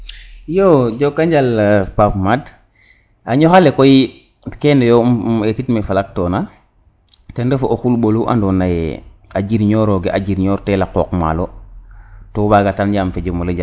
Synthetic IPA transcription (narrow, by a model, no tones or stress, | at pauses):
jod͡ʒokːaɲd͡ʒalpapmad | aɲoxalekoji | kendojoetitmefalak̚toːna | tendəfooxulɓoluʔa̰ndonajead͡ʒiɾɲoːɾoɡeʔad͡ʒiɾɲoːɾtelakokma̰lo | tobaɡatand͡ʒamfed͡ʒomoləd͡ʒa